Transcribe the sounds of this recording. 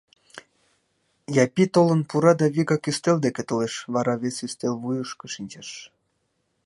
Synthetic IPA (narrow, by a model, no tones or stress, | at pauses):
jɑpit̪olənpuɾɑd̪ɑβiɣɑkyst̪eld̪eket̪oleʃβɑɾɑβesyst̪elβujəʃkeʃinʲt͡ɕeʃ